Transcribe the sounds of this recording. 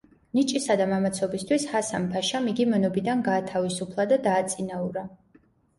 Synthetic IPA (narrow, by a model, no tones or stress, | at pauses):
nit͡ʃʼisad̪amamat̪sʰɔbist̪ʰwishasampʰaʃamiɡimɛnɔbid̪anɡaːt̪ʰavisupʰlˠad̪ad̪aːt̪sʼinauɾa